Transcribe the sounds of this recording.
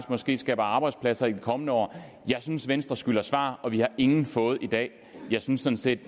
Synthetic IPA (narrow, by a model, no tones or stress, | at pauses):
smɒ̽sɡ̥e̝̰ːsɡ̥ɛ̰ːb̥ɐɑ̈ːb̥ɑ̈ɪd̥spʰlæsɐid̥ikʰɒ̽mənəɒ̰ː | jɑ̈ɪsynsʋensd̥ʁɐsɡ̥yl̰ɐsʋɑ̰̈ːɒ̽ʋihɑ̈e̝ŋn̩fɔ̽ːð̞̩ˠid̥ɛ̰ː | jɑ̈ɪsynsːɒ̽n̩se̝̰ːd̥